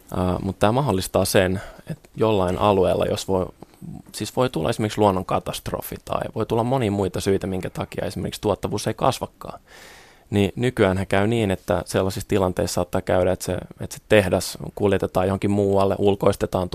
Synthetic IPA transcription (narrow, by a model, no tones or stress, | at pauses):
əːmut̪ːt̪æːmɑholːist̪ɑːsenet̪jolːɑinʔɑ̰lueːlːɑ̰jo̰sʋo | siːsʋoit̪ulːɑ̰esimerksluonːoŋkɑt̪ɑst̪ro̰fḭt̪ɑ̰ḭʋoit̪ulːɑmmonimuit̪ɑsyit̪æmiŋkæt̪ɑkiɑ̰esimḛrkikst̪uot̪ːɑʋuːseikɑ̰sʋɑkːɑ̰ː | ninykyæːnhækæyniːnet̪ːæ̰selːɑsist̪ilɑnt̪eissɑːt̪ːɑkæyɾæet̪sḛḛt̪si̥t̪ehdæskuljet̪et̪ɑːjohoŋkimmuːɑlːeʔulkoist̪et̪ɑːnt̪